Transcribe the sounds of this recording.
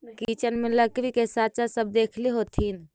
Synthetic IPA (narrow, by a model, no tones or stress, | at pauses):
kit͡ʃənmeləkɾikesat͡ʃasəb̚d̪ekʰliɦot̪ʰɦin